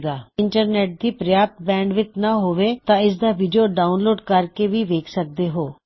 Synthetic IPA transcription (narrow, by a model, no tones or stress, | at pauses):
ɡaːɪɳʈəɾnɛːʈ̚d̪iːpɾəjaːp̚t̪̚bɛ̃ːɳɖʋɪt̪naːɦoːʋeːt̪ãːɪs̬d̪aːʋiːɖioːɖaːʊnloːɖkəɾkeːʋiːʋeːkʰsək̚d̪eːɦoː